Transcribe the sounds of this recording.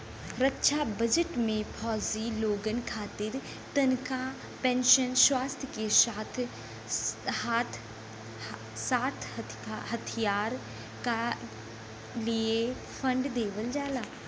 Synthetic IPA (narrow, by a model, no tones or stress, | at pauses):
ɾəkːʃʰabəd͡ʒəʈmẽpʰɔːziloːɡənkʰaːt̪ɪɾ | t̪ɐnka | pɛ̃ːnʃənswaːst̪ʰjəkesaːt̪ʰ | haːt̪ʰ | saːt̪ʰ | ɦət̪ʰijaːɾ | ka | lie | fʰə̃ɳɖd̪eːʋəld͡ʒaːlaː